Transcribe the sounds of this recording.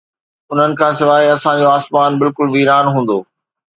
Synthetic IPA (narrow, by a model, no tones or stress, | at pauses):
ʊn̤ənɪ̆kʰãːsɪʋaːɦiɐsãd͡ʑoaːsmaːnbɪlkʊlʋiːɾaːnɦũːn̆d̪oː